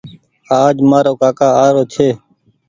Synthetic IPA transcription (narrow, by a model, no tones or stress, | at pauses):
aːd͡ʒmaːɾoːkaːkaːaːɾoːt͡ʃʰeː